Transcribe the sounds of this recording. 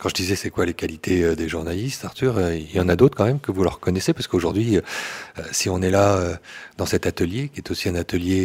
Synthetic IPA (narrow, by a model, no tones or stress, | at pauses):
kɑ̃ʒəd̪izɛsɛkwalekalit̪ʰeød̪eʒuʁnalist̪aʁt̪yʁøiljɑ̃nad̪ot̪χkɑ̃mɛmkəvuləʁkɔnɛsepasə̥koʒuʁd̪ɥiøøsiɔ̃nɛlaød̪ɑ̃sɛt̪at̪əljekʲiɛt̪osiɛ̃nat̪əlje